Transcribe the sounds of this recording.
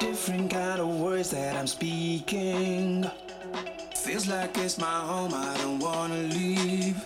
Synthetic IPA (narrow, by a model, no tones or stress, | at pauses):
d̥ɪfɹɨ̃nkãɪ̃ndʌvwɜ˞dzðɨɾãɪ̃mspikɪ̃ŋ | θɪ̃ŋzlaɪk̚ɪsmaɪhõʊ̃maɪdõʊ̃nt̚wɑnəliv̥